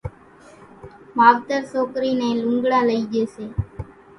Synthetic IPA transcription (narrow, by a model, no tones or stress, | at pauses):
maːʋt̪əɾsoːkɾiːneːlʊ̃ŋɡɽaːləiːd͡ʒeːseː